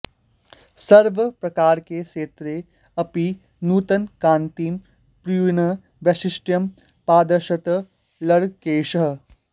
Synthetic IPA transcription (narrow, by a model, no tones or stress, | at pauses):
sɐɾʋəpɾɐkaːɾkeʃeːt̪ɾe | ɐpi | nuːt̪ənkãːnt̪iːm | pɾijuːnɐ | ʋɐʃɪsʈjɐm | paːd̪ɐɾʃɐt̪ | lɐɽkeːʃɐɦ